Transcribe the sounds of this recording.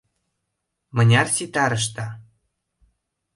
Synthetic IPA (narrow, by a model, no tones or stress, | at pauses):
mɤ̆nʲɑrsit̪ɑɾə̆ʃ̬t̪ɑ